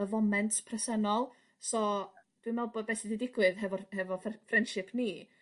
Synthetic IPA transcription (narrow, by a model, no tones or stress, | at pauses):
əvɔmɛntʰpʰrɛsənɔlˠ | sɔd̥wɨmɛlˠbɔdbɛsididɪɡwɨðɦɛvɔhɛvɔfrɛnd̥ʃɪpʰniː